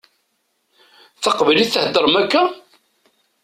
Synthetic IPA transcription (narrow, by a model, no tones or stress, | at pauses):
θɑqvəliθθəhəd̪əɾˤəmækːæ